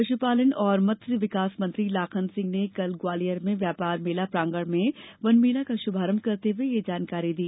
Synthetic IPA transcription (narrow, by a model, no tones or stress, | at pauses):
ɐʃupaːlənɔːɾmɐt̪ɾəʋɪkaːsmɐ̃nt̪ɾilaːkʰənsɪ̃ŋɡnekɐlɡwaːlijəɾmẽʋjaːpaːɾmeːlapɾãːŋɡəɽmẽʋɐnmeːlakaʃʊbʱaːɾəm̚kɐɾt̪eɦʊejed͡ʒaːnkaːɾid̪iː